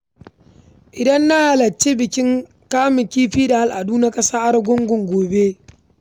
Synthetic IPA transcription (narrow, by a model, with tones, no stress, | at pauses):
ʔɪ˨dɐ˦nːa˦ha˨lɐ˨t͡ʃːe˦bɪ˨kʲɪ˦ŋ | kaː˦mɪ˨kʲiː˦ɸiː˦da˨ha˦˨lʔa˨duː˦na˦kʼɐ˦saː˦ʔa˦rɡʷʊ˦ŋɡʷʊ˨ŋɡʷoː˨be˦